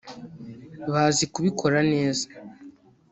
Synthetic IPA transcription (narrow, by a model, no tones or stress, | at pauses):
βaːzikuβikʰo̞ɾane̞ːzḁ